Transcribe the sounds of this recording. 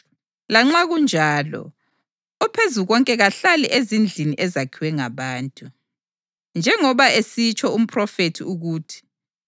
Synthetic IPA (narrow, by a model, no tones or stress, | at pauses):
laŋ͡ǁaɣund͡ʒʱaːlɔ̰ | ɔpʰezuɣɔŋkʼɛɣaɬalɛʔezind͡ɮʱiniʔɛzakʰiwɛŋaβaːntʼu | nd͡ʒʱɛŋɔβaesit͡ʃʼʰɔum̩pʰʼrɔfetʰiuɣuːtʰi̥